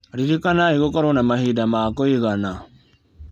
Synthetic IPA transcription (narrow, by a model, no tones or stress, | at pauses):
ɾiɾikanaiɣokɔɾɔnamaɦidamakoiɣana